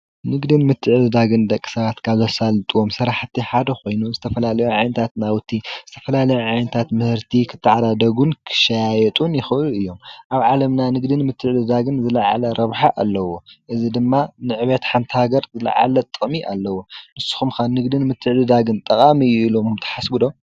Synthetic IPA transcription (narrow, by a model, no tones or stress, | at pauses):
nɨɡd̪ɨnmɨt̪ʰːɨʕd̪ɨd̪aɡɨnd̪ɐkʼːi̥sɐβat̪kʰaβzosalt̪ʼɨwomsɐɾaħt̪ʰːiħad̪ɐxo̞jnuzɨt̪ʰɐfɐlalɐjuʕajnɐt̪ʰat̪nawt̪ʰːizɨt̪ʰɐ̥fɐlalɐjuʕajnɐt̪ʰat̪mɨhɨɾt̪ʰikʰɨt̪ʰːɨʕad̪ad̪ɐɡunkʰɨ̥ʃajajɛt̪ʼunjɪxɨɨluɨjːo̞mʔaβʕalɐmnanɨɡd̪ɨnmɨt̪ʰːɨʕlɨd̪aɡɨnzɨlaʕalɐɾɐβħaʔalːɐwoʔɨzid̪ɨmːanɨʕβɐt̪ħant̪ʰhaɡɐɾzɨla̰ʕa̰lɐt̪ʼɨχʼmiʔa̰lːɐwonɨsːɨ̥xumkanɨɡd̪ɨnmɨt̪ʰːɨʕlɨd̪aɡɨnt̪ʼɐqʼamijuilommt̪ʰɐ̥ħasbɨd̪o̞